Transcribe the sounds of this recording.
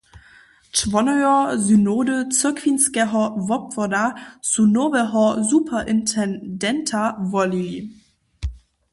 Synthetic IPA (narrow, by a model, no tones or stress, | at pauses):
t͡ʃvɔnɔʏɔzynoːdət͡sɪɐkʰv̥inskɛɦɔvɔpfɔdasunovɛɦɔzupʰɐʔɪntʰɛndɛntʰavɔlili